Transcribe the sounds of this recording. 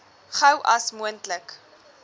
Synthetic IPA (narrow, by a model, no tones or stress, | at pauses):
χɐwʔɐsmuəntlək